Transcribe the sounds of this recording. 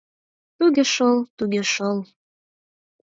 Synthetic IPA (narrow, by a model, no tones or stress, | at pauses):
t̪uɣeʃəlt̪uɣeʃəl